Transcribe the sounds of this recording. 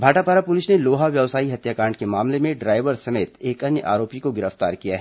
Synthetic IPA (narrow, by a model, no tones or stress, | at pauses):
bʱaːʈapaːɾapʊlɪsneloːɦaʋjɐʋsaːiɦɐt̪jaːkãːɳɖ̚kemaːmlemẽɖɾaːɪʋəɾsɐmeːt̪eːkɐnjəʔa̰ːɾoːpikoɡɪɾəft̪a̰ːɾkijaɦɛː